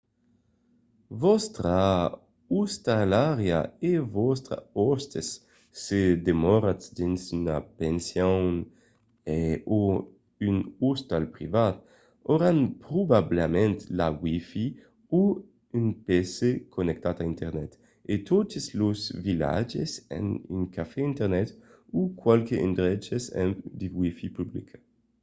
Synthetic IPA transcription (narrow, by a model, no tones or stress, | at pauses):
vɔst̪ɾa | ust̪alaɾeaevɔst̪ɾa̰ost̪esː | ed̪emɔɾat͡sd̪insynapensjo | eo | ynust̪alpɾivat̪ | oɾanpɾubablemɛ̃nt̪lawifi | u | ynpesekʰonek̚t̪at̪aint̪ɛʁnɛt̪ | et̪ot̪eslozvila̰d͡ʒesɛ̰ny̰ŋkafɛint̪eʁnɛt̪ukwalkeʔḭnd̪ɾɛt͡ʃesɛ̰md̪iwifipyblḭkʰ